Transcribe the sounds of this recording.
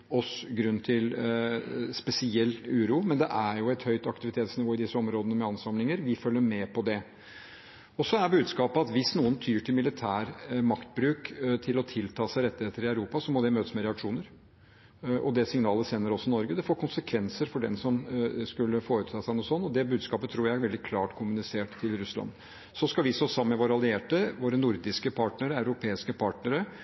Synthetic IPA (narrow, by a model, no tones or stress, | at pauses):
ɔsɡɾʉnːt̪ʰɪl | spɛsɪɛlːʉːɾuːmɛnd̪ɛʔæɾjʊɛt̪hœʏt̪ɑkt̪ɪʋɪt̪ʰeːt̪snɪʋoːɪd̪ɪsːəɔmɾoːd̪ənəmɛɑnsɑmlɪŋəɾʋɪfœlːəɾmɛpɔd̪ɛ | ɔsɔæɾbʉːd̪skɑːpəɑt̪ʋɪsnuːənt̪ʰyːʈʰɪlmɪlɪt̪ʰæːɾmɑkt̪̚bɾʉːkt̪ʰɪlɔt̪ʰɪlt̪ʰɑːsæɪɾɛt̪ːəɪheːt̪əɾɪœʉɾuːpɑsɔmɔd̪ɛmøːt̪əsmɛɾɛɑkʂuːnəɾ | ʔɔ̰d̪ɛsɪŋnɑːləseːnəɾɔsɔɪnɔɾɡəd̪ɛfoːɾkʰʊnsəkʰʋɛnsəɾfɔɖɛ̰nsɔmskʉlːəfoːɾʉt̪ʰɑːsæɪnuːsɔnːɔd̪ɛbʉːd̪skɑːpət̪ʰɾuːɾjæɪɾʋɛld̪ɪkʰlɑːʈkʰʊmʉnɪseːʈt̪ʰːɪlɾʉslɑ̰nː | sɔskɑʋɪsoːsɑmːmɛʋoːɾəɑlɪeːʈəʋoːɾənʊɾd̪ɪskəpʰɑʈnəɾəɑʉɾʊpʰeːɪskəpʰɑʈnəɾə